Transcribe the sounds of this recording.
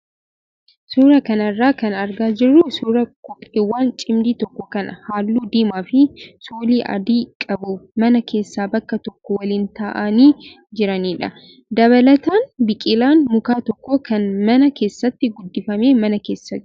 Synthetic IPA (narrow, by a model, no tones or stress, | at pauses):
suːɾɐkɐnɐrːaːkɐnɐɾɡaːd͡ʒɪrːʊsuːɾɐkɔpʼewːaːnt͡ʃʼɪmd̪iːt̪ɔkːɔkɐnɐhaːlːuːd̪iːmaːfɪsoːliːʔɐ̰d̪iːkʼɐbʊmɐnɐke̞ːsːaːbɐkːɐt̪ɔkːɔwɐliːnt̪aʔɐniː | d͡ʒɪɾɐniːᶑɐ | d̪ɐβɐlɐt̪aːnbɪkʼɪlaːnmʊkaːt̪ɔkːoːkɐnmɐnɐke̞ːsːɐt̪ːɪɡʊd̪ːɪfɐme̞ːmɐnɐke̞ːsːɐd͡ʒ